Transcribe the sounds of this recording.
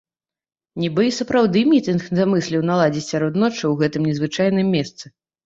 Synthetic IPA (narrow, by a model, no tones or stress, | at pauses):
nʲibɨisɐpɾawd̪ɨmʲit̪ɨnxnzamɨsʲlʲiwnalˠad͡zʲit͡sʲsʲaɾɔt̪nɔt͡ʂːɨwɣɛt̪ɨmnʲɛzvɨt͡ʂajn̪ɨmʲːɛst̪sɨ